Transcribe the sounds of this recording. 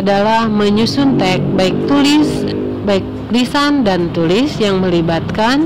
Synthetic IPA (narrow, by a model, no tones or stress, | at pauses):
dalahməɲusʊnt̪ɛk̚baik̚t̪ulɪs | baik̚ | lisandant̪ulɪsjaŋməlibat̪̚kan